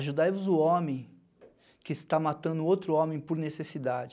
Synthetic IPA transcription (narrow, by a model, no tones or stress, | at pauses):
ʒud̪ajvʊzʊõmẽj̃ | kɪst̪amat̪ɐ̃nd̪ʊowt̪ɾʊõmẽj̃poɾnesesid̪ad͡ʒɪ